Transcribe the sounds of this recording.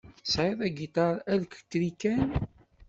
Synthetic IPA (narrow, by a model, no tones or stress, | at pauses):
sʕɪðæɡit̪ɑɾˤælkt̪ːɾikːæn